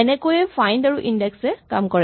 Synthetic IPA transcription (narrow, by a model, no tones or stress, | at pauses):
ɛnɛkojɛfʰajndaɹuʔindɛksɛkamkɔɹɛ